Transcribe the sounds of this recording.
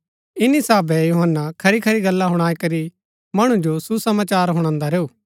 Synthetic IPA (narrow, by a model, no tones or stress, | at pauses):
ɪnisaːbɛjuɦənːakʰɐɾikʰɐɾiɡɐlːaɦʊɽ̃aːikɐɾi | mɐɽ̃ũd͡ʒosusɐmaːt͡ʃaːɾɦʊɽ̃ãːnd̪aɾeːuː